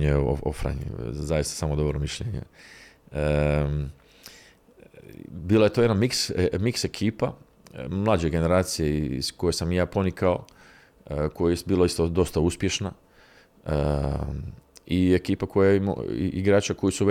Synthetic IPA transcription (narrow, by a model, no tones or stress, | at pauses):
ɲeo̰o̰fɾa̰ɲḭzajist̪ḁsaːmod̪obɾomiʃʎeɲḛ | ə | biːlˠajet̪oe̞d̪anmiksmikse̞kʰiːpa | mlˠaːd͡ʑeɡe̞ne̞ɾaːt̪sije̞ḭz̥ko̞je̞samjaːpo̞nikao̞ | kojibiːlaist̪od̪o̞st̪auspjeʃna | ə | iekiːpako̞jaimo̰ḭʔiɡɾaːt͡ʃako̞jisuʋ